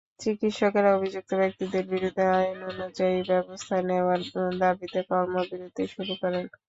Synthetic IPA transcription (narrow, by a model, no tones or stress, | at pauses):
t͡ɕikit̪ʃɔkeɾaobʱid͡ʑuk̚t̪obek̚t̪id̪eɾbiɾud̪ʱːeajononud͡ʑaibɛbost̪ʰaneaɾd̪abit̪ekɔɾmobiɾud̪ʱːeʃuɾukɔɾen